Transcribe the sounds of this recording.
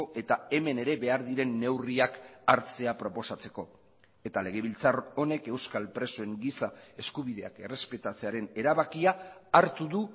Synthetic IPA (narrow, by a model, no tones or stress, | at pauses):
oʔe̞t̪ae̞me̞ne̞ɾe̞βe̞aɾðiɾe̞nːe̞wriakaɾt͡se̞apɾo̞po̞sat͡se̞̥ko̞ | et̪ale̞ɣ̞e̞β̞ilt͡saro̞ne̞ke̞wskalpɾe̞so̞e̞ŋɡisae̞skuβ̞iðe̞a̰ke̞re̞spe̞t̪at͡se̞aɾe̞ne̞ɾaβakiaːɾt̪uðu